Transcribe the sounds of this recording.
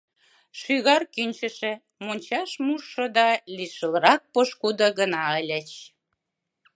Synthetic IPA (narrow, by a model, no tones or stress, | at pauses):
ʃyɣɑrkynʲt͡ɕə̆ʃĕ | monʲt͡ɕɑʃmuʃːŏd̪ɑliʃə̆ləɾɑk̚poʃkud̪ə̆ɣənɑəlʲə̆t͡ɕ